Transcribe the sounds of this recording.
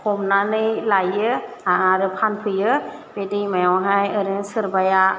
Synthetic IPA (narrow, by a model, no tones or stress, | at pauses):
kʰɔmnanɯjlajɯaaɾɯpʰanpʰɯjɯbedɯjmajɔwɦajɯɾɯsɯɾbaja